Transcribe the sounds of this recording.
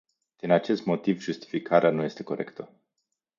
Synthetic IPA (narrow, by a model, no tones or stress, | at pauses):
d̪̥inat͡ʃe̞st̪mo̞t̪ivʒust̪i̥fikʰaɾeanuje̞st̪e̞ko̞ɾe̞̰kt̪ə